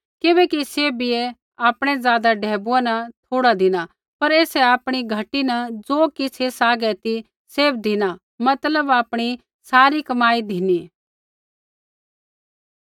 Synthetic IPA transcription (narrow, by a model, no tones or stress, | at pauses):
kɪbɛːkiseːbɪe | aːpɽ̃ɛzaːd̪aɖʱɛːbuɛnɐt̪ʰoːɽad̪ʱɪna | pɐɾeːsɛaːpɽ̃iɡʱɐʈinɐ̃d͡zoːkisʰesaːɡɛt̪i | seːbd̪ʱɪna | mɐt̪ləbaːpɽ̃i | saːɾikɐmaːid̪ʱɪni